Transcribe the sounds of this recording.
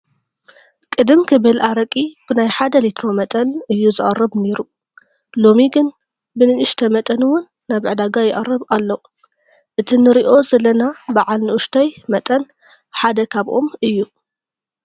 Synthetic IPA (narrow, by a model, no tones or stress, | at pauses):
kʼɨd̪ɨmkʰɨβɨlʔaɾɐkʼib̥ɨnajħad̪ɐlit̪ʰno̞mɐt̪ʼɐnɨjːuzɨʔʼɐrːɨβne̞ɾu | lo̞miɡɨn | bɨnɨɨʃt̪ʰɐmɐt̪ʼɐnɨwʊnːaβʕd̪aɡajɪʔʼɐrːɨβalːo | ʔɨt̪ʰinɨɾiʔo̞zɐlːɐnabaʕalnɨʔʊʃt̪ʰɐjmɐt̪ʼɐn | ħad̪ɐkʰaβʔo̞̰mɨjːu